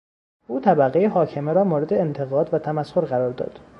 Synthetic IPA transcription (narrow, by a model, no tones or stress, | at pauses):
ʔuːt̪ʰæbæɣejeɦɒːcʰe̞meɾɒːmoːɾed̪eːnt̪ʰe̞ɣɒːd̪væt̪ʰæmæshoɾɢæɾɒːɾd̪ɒ̰ːd̪̥